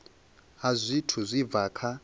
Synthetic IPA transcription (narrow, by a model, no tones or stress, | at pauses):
azʷitʰuzʷib̪vaːkʰa